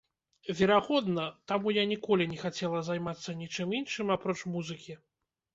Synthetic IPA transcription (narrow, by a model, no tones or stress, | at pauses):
vʲɛɾaɣɔd̪nɐt̪amujanʲikɔlʲinʲɛxat͡sʲɛlˠɐzajmat̪sːɐnʲit͡ʂɨminʂɨmapɾɔt͡ʂmuzɨkʲi